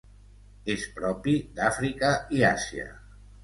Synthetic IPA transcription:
espɾɔpid̪afɾikəiasiə̰

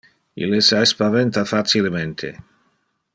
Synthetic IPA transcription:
ḭlesaespavɛnt̪afat̪silement̪ʰḛ

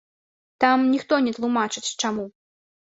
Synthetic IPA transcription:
t̪amnʲixt̪ɔnʲɛt̪lˠumat͡ʂɨt͡sʲt͡ʂamu

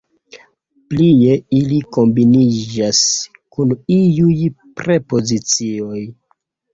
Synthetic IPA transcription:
plie̞iliko̞mbinid͡ʒas | kunijuj | pɾe̞po̞zit͡sio̞j

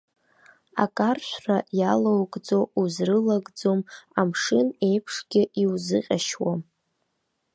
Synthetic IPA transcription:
a̰kʼarʃʷrajalowkʼd͡zo̞uzrɨlaɡʼd͡zo̞mamʂɨne̞jpʰʂɡʲɪʔiwzɨqʲʼaʃwam

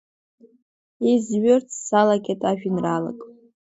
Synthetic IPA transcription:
izɥʏrtʰsalakʲʼatʼaʒᶣinrala̰kʼ

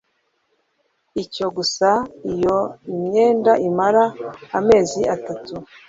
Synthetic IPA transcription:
ico̞ɡusaijoimɲe̞ːndaʔimaɾaːme̞ːziʔatatu

